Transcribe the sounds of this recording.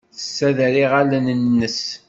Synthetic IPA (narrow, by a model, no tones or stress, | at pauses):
θə̥sːæðɾiʁalənənːəs